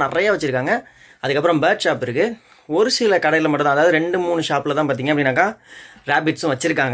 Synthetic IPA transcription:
nɪrɐjaːʋɐt͡ʃːɪɾɯkːaːŋɡɐ | ɐðɯkːɐpːɯɾɐ̃mbɐːʈʃaːpːɪɾɯkːɯ | ɔɾɯsɪlɐkɐɽɐjɪlɐmɐʈːɯ̃nt̪ãːðaːʋɐðɯɾɛɳɖɯmuːɳɯʃaːpːɪlɐt̪ãːpaːɾt̪iːŋɡɐpːɐɽɪnːaːkːãːɾaːbɪʈsɯ̃ʋɐt͡ʃːɪɾɯk̬ːaːŋɡɐ

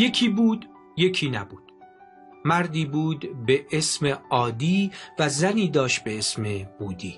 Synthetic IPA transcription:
je̞cʰiːbuːd̪ | je̞cʰiːnæbuːd̪̥ | mæɾd̪iːbuːd̪be̞ʔesme̞ɒːd̪iːvæzæniːd̪ɒːʃt̪̚be̞esme̞b̥uːd̪iː

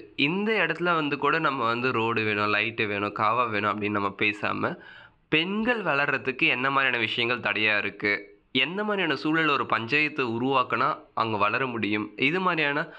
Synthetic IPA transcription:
ɪnd̪ɐɛɽɐt̪ːɪlɐʋɐnd̪ɯkuːɽɐnɐmːɐʋɐnd̪ɯɾoːɽɯʋeːɳʊ̃lɐɪʈːɯʋeːɳʊ̃kaːʋaʋeːɳʊ̃ɐpːɐɽɪnːɯnɐmːɐpeːsa̰ːmɐ | pɛnɡɐɭʋɐɭɐɾːɐðɯkːɯɛnːɐmaːd̪ɾiaːnɐʋɪʂɐjɐŋɡɐɭt̪ɐɽɐjaːɪɾɯkːɯ | ɛnd̪ɐmaːd̪ɾijaːnɐsuːɭɪlːɔɾɯpɐɲd͡ʒɐjɐt̪ːɯʊɾʊʋaːkɐnaːʔɐ̰ŋɡɐʋɐɭɐɾɐmʊɽɪjɯmɪðɯmaːd̪ɾijaːnɐ

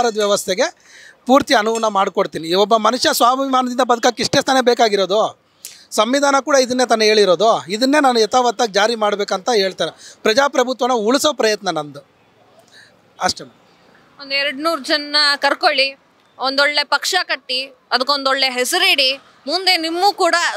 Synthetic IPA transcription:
ɾɐd̪ʋjɛʋɐst̪ʰeɡe̞ | puːɾt̪iɐnuʋɐnːɐmaːɽkoɽt̪iːniɔbːɐmɐnuʂjɐsʋaːbimaːnɐd̪ind̪ɐbɐd̪ʱɐkaːkːeiʂʈest̪ʰane̞beːkaːɡiɾoːd̪o | sɐmʋid̪ʱaːnɐkuːɽɐid̪ɐnːet̪̬anːɐe̞ːɭiɾo̞ːd̪oid̪ɐnːe̞ːnaːnuɛt̪aʋɐt̪ːad͡ʒaːɾimaːɽbeːkɐnt̪ɐɦe̞ːɭt̪aːɾepɾɐd͡ʒaːpɾɐbʱut̪ʋɐnuuɭisoːpɾɐjɐt̪nɐnɐnd̪u | ɐʂʈem | ond̪uɛɾɽnuːɾud͡ʒɐnːɐkɐɾkoɭi | ond̪oɭːe̞pɐkʂɐkɐʈːi | ɐd̪ɐkːond̪oɭːe̞ɦesɐɾiːɽi | mund̪enimːuːkuːɽɐ

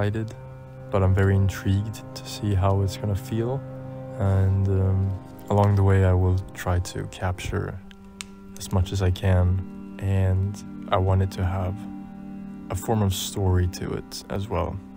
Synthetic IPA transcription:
aɪɾɨd | b̥ʌɾãɪ̃ɱvɛɹiɨ̃ntʰɹ̥iɡ̚dtʰɨ̥siɦaʊɨtsɡ̥ʌnəfilˠə̃nʌ̃m | əlɔ̃ŋðəweɪaɪwɪlˠtʰɹ̥aɪɾɨ̰kʰæp̚t͡ʃə̰˞ | ɨzmʌt͡ʃɨzaɪkʰɨ̃nʔɨ̃nʔaɪwɑ̃ñɨd̚tʰɨəv | ʔəfɔɹmʌv̥stɔɹiɾɨ̰ɪ̰ɾʔɨ̰zwɛ̰lˠ

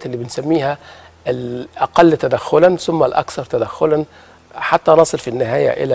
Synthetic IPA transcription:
t̪ʔlːiːbɪnsæmːiːhæ | lʔæqɑlːt̪æd̪æxːʊlænsʊmːælʔæ̰kθɑɾˤt̪æd̪æxːʊlæn | ħat̪ːænɑsˤɨlfinːɪɦæːjæ̰ʔɪ̰læ

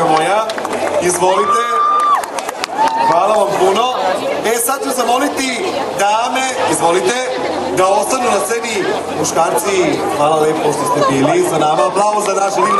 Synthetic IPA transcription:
mojaizʋolit̪ɛ | xʋalˠaʋampunoesad̪̚t͡ʃuzamolit̪id̪amɛizvolit̪ɛ | d̪aost̪anunasɛbi | muʃkaɾt̪sixʋalˠalɛpoʃt̪ost̪ɛbilizanamablˠavozanaʃd̪i

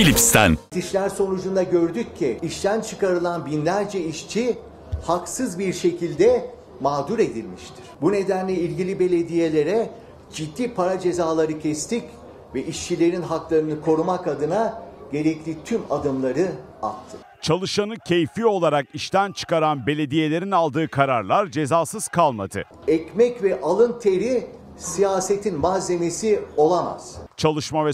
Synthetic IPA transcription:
ilʲipst̪ʰæ̰nt̪ʰiʃlʲæɾso̞nud͡ʒund̪aɟø̞ɾd̪yc̚ʰːiiʃt̪ʰænt͡ʃʰɯkaɾɯlˠanbinlʲæɾd͡ʒɛiʃt͡ʃʰi | haksɯzbiɾʃe̞cʰilʲd̪ɛ | maːd̪uɾe̞d̪ilʲmiʃt̪ʰi̥ɾ̥bune̞d̪ænlʲɛilʲɟilʲibe̞lʲe̞d̪ije̞lʲe̞ɾɛ | d͡ʒid̪ːiːpʰaɾad͡ʒe̞zaːlˠaɾɯcʰɛst̪ic | vɛʔiʃt͡ʃʰilʲe̞ɾinɦaklˠaɾɯnɯkʰo̞ɾumakad̪ɯnaɟe̞ɾɛclʲit̪ʰymad̪ɯmlˠaɾɯ | a̰t̪ʰːɯ̥ | t͡ʃʰalˠɯʃanɯcʰejfio̞lˠaɾakiʃt̪ænt͡ʃʰɯ̥kaɾanbe̞lʲe̞d̪ije̞lʲe̞ɾinalˠd̪ɯːkʰaɾaɾlˠaɾd͡ʒe̞zaːsɯz̥kʰalˠma̰d̪ɯ̰ | ɛcmɛcvɛʔalˠɯnt̪ʰeɾi | sijaːset̪ʰinmaze̞mesio̞lˠama̰z̥t͡ʃʰalˠɯʃmavɛ

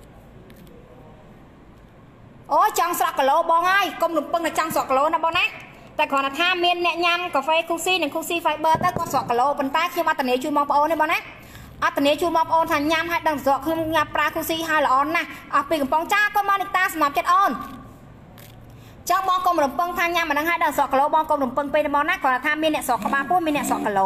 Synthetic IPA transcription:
ʔoːt͡ɕɑŋsrɑʔkəloːɓɑːŋhaəjkomrumpɨŋnɨt͡ɕɑŋsŏəʔkəloːnaɓɑːnaʔ | t̪aɛkʰɔənaːt̪ʰaːmiənːɛ̆əʔɲamkaːfeːkʰuːsiːnɨŋkʰuːsiːfajɓəːlt̪əwkoːsoəʔkəloːpont̪aɛkʰɲomʔat̪ːaniət͡ɕuənmɓɑːŋpə̆ʔoːnːiːɓɑːna | ʔɑt̪ːaniət͡ɕuənɓɑːŋpəʔoːnt̪ʰaːɲamhaəjɗəŋt̪soəʔkʰɲomɲapraəkʰuːsiːɦaəjlə̆ʔɑːnahʔɑhpiːkɑmpoŋt͡ɕaəlkoːmanɨt̪aːsɑmlap̚t͡ɕət̪̚ʔoːn | t͡ɕɑŋɓɑːŋkomrumpɨŋt̪ʰaːɲamʔənəŋɦaəjɗəŋsoəʔkəloːɓɑːŋkoːmrumpɨŋpenrəɓɑːnakʰɔnaːt̪ʰaːmiənɛəʔsŏəʔkːəɓaːpuəhmiənːɛ̆əʔsŏəʔkəloː

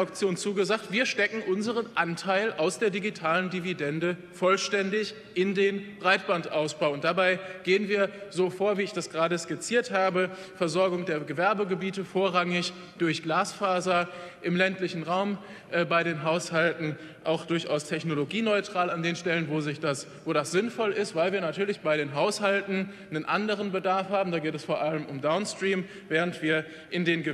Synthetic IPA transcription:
ʊk̚t͡sjoːnt͡suːɡəzaːktv̥iːɐʃtɛkŋ̩ʔʊnzəʁ̞ənʔantʰaɪlʔaʊsd̥eːɐdiɡitʰaːləndividɛndə | fɔlʃtɛndɪç | ʔɪndeːnb̥ʁaɪt̚b̥antʔaʊsb̥aʊʊntd̥abaɪɡ̥eːənviːɐzoːfoːɐviːɪçd̥asɡ̥əʁaːɾəskɪt͡siːɐthaːbə | fɛɐzɔɐɡʊŋdeːɐɡəvɛɐbəɡəbiːtəfoːɐʁaŋɪç | d̥ʊɐçɡ̥laːsfaːzɐʔɪmlɛntlɪçn̩ʁaʊm | ʔɛːbaɪɾeːnɦaʊshaltn̩ | ʔaʊxd̥ʊɐçʔa̰ʊstʰɛçnoloɡiːnɔʏtʁ̥aːlandeːnʃtɛlənvozɪçd̥as | voːdasz̥ɪnfɔlɪstv̥aɪlviːɐnatʰyːɐlɪçb̥aɪɾeːnɦaʊshaltn̩ | nənʔa̰ndəʁ̞ənbədaɐfhaːbm̩daːɡeːtɛsfoːɐʔaləmʊmdaʊnstʁ̥iːm | vɛːʁ̞əntv̥iːɐ | ʔɪndeːnɡə

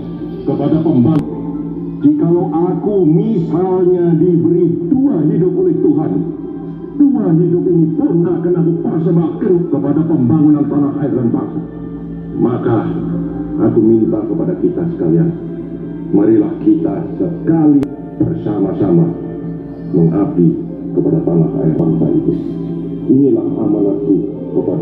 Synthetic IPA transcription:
kəpadapəmbaŋʊn | d͡ʒikalowʔakumibaɲadibəɾiduaɦidʊp̚olɛht̪uɦan | duaɦidʊpinipʊnkaʔkənakupərs̬əmbakənkəpadapəmbaŋunant̪anahʔaɪrləmpa̰k | maka | akumimbakəpadakit̪asə̥kaliaŋ | məɾilahkit̪asəkali | b̥ərsamasama | məŋapi | kəpadat̪aŋa̰ha̰ḭrla̰mpa̰ʔḭt̪u | inilahamaŋapi | kəpa

